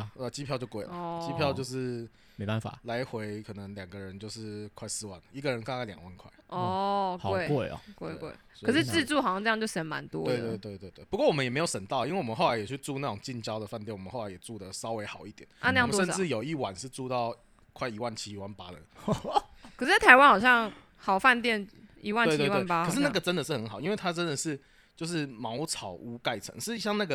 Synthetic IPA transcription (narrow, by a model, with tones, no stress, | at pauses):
ə˧˩t͡ɕi˥pʰjʊt͡ɕjo˥˧ʊkwe˥˩˨t͡ɕi˥pʰjɑ˥˧ʊt͡ɕjo˥˧ʊʂɻ̩˥˩ | me˦a˥˩nfa̰˨˩la˧˥ɪxwe˧˥ɪkʰɤ˨˩nə˧˦ŋljɑ˨˩ŋɡə˩˦ɻə˧˦nt͡ɕjo˥˧ʊʂɻ̩˥˩kʰwa˥˧ɪsɹ̩˥˧wa̰˥˩nə˩i˧˥ɡə˨ɻə˧˦nka˥˧ŋkʰa˥˩ljɑ̰˨˩ŋwa˥˩nkʰwa˥˩ɪɔ˥˩˨we˥˩ɪke˥˩ɪ̰˨˩kwe˥˩ɪkwḛ˥˩ɪswɔ˧ə˨˩ʂɻ̩˥˧˥ɻ̩˥˧t͡su˥˩xɑ˨˩sɑ˥˧ʈ͡ʂɤ˥˧jt͡ɕo˥˧˩ʂə˧˥nma̰˧˦nt̪wɔ̰˥t̪wɪt̪we˥˧ɪt̪we˥˧ɪt̪we˥˧ɪe˥˩u˧kwɔ˥˩wɔ˨˩mə˦njɛ˨˩m˧˥jo˨˩ʂə˨˩nt̪ɑ˥˩ʊi˥nwe˥˩wɔ˨˩m˧˦xo˥˩la˧˦ɪjɛ˨˩t͡ɕʰy˥˧ʈ͡ʂu˥˧na˥˩ʈ͡ʂʊ˨˩ŋt͡ɕi˥˧nt͡ɕjɑ˥ʊd̪ə˨˩fa˥˧nt̪jɛ˥˩nwɔ˨˩ə˦nxo˥˩la˧˦ɪjɛ˨˩ʈ͡ʂu˥˩d̪ə˨sɑ˥ʊwe˧˥ɪxɑ˨˩ʊi˥˩t̪jɛ˨˩˦na˥˧na˥˧jmt̪wɔʂə˥˧˩ʈ͡ʂɻ̩˥˩jo˨˩ʊi˥˩wa˨˩˦nʂɻ̩˥˧ʈ͡ʂu˥˧t̪ɑ˥˩ʊ | kʰwa˥˩ɪi˧˥wa˥˩nt͡ɕʰi˥i˨˥wa˥npa˦˥ɻə̰˨˦n | kʰʂɻ̩˥t͡sa˥˩t̪ʰa˧˥ɪwa˦˥nxɑ˨˩ʊɕjɑ˥˩ŋ | xɑ˨˩ʊfa˥˧nt̪jɛ˥˩ni˧˥wa˥˧nwe˥˧t̪wi˧˥w̪a˥˨n˩pa˥kə˩ʂ̬̩˥˧na˥˩ɡə˩ʈ͡ʂə˦nd̪ə˨ʂ̬̩˥˩xə˧˦nxɑ˨˩ʊi˦nwe˥˩ɪt̪ʰa˥ʈ͡ʂə˦nd̪ə˨ʂɻ̩˥˩ | t͡ɕjo˥˧ʊʂ̬ɻ̩˥˩mɑ˧˥ʊt͡sʰɑ˨˩ʊu˧˥ka˥˩ɪʈ͡ʂʰə̰˧˦ŋʂɻ̩˥˧ɕjɑ˥˧ŋna˥˩ɡə˩